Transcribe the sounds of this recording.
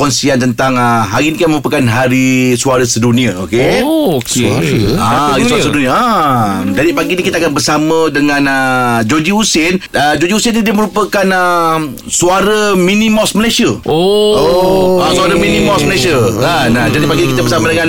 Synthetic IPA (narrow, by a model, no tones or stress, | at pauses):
kɔnsiant̪ənt̪aŋəɦaɾinikaməɾupakanɦaɾisuaɾəsədunĩao̰ke | aaɾisuaɾəsədunĩaamd͡ʒadipaɡinikit̪akanbərsamə̃dəŋãnəd͡ʒod͡ʒiusɪnəd͡ʒod͡ʒiusɪnnidiəməɾupakanə | suaɾəmĩnĩmɔsməlajsiəooasuaɾamĩnĩmɔsməlajsiaanad͡ʒadipaɡinikit̪abəɾsamadəŋãn